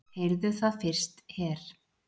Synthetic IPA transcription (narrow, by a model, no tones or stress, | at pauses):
hejɾðʏθaðfɪr̥st̪hɛːɾ̥